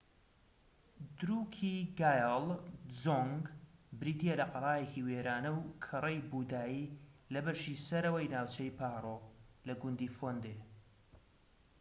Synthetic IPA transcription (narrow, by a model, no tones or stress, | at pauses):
d̪ɾukʰiɡaːjlˠzoŋɡbɾiːd̪ielɐqɑlˤaːjehiweːɾaːnɐwkʰɨrˤejbuːd̪aːjiːlɐbɐʃiːsɐɾɐwɐjnaːwt͡ʃɐjpʰaːɾˤolɐɡʊnd̪iːfoːnd̪e